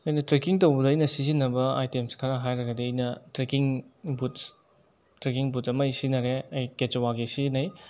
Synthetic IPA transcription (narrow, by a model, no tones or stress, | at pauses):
ɐjnɐtɾekiŋtɐwbɐdɐːjnɐsizinːɐbɐa̰jtemskʰɐɾaɦajɾɐɡɐdiɐjnɐtɾekiŋbut | tɾekiŋbutɐmɐisinɐɾeɐjket͡ʃowaɡisizinɐj